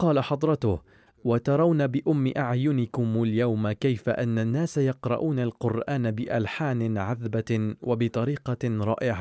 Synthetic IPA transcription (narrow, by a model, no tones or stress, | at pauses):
qɑːlaħɑd̪ˤɾˤɑt̪ʊh | wat̪ɑɾˤɑwnabɪʔʊmːɪʔaʕjʊnɪkʊmaljawmakajfaʔanːanːaːsajɑqɾˤɑ̰ʔuːnalqʊɾʔaːnabɪʔalħaːnɪʕaðbawʔabɪt̪ˤɑɾiːqɑɾˤɑ̰ːʔɪʕa